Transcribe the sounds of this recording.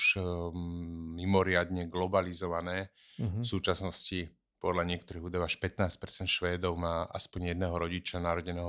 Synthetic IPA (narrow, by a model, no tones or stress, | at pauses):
ʃ | mimɔɾɪad̪ɲɛɡlɔbalizɔʋanɛː | fsuːt͡ʃasnɔsci | pɔd̪ʎaɲɪɛkt̪ɔɾiɦud̪ɔʊaʃpɛt̪naːsc̚pɛɾt͡sɛnt̪ʃʋɛːd̪ɔʊmaːʔa̰spɔɲjɛd̪nɛɦɔɾɔɟit͡ʃanaɾɔɟɛnɛːɦɔ